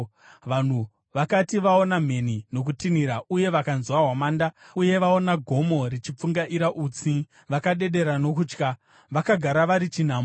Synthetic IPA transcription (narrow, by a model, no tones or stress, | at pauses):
ʋan̤u | ʋakatiʋaonam̤e̞nino̞k̬utiniɾauje̞ʋakanzwaɦwamaːndauje̞ʋao̞naɡʱo̞mo̞rit͡ʃip͡fuŋɡaʔiɾaʔut͡si | ʋakaɗe̞ɗe̞ɾano̞kuːt͡ʃka | ʋakaɡʱaɾaʋaɾit͡ʃin̤aːmo